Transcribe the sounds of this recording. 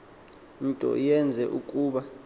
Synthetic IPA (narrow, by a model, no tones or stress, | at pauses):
n̩tʼɔ̰jɛnd͡zʱɛʔukʼuːɓa